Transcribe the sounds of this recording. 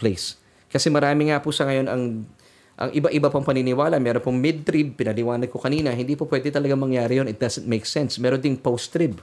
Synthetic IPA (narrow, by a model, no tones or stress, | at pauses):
plejs | kɐsɛmɐɾaːmɪŋapʊsɐŋɐjo̞nɐŋ | ʔɐ̰ŋʔɪbaʔɪbapɐŋpɐninɪwaːlɐmɛːɾonpoŋmɛd̪̚t̪ɾib̚pɪnɐlɪwaːnɐd̪̚kokɐniːnɐɦɪnd̪iːpopwɛd̪ɪt̪ɐlɐɡamɐŋjaːɾɪjonɪt̪̚d̪ɐsɛnt̪mejksɛnsmɛːɾond̪ɪŋpowst̪ɾib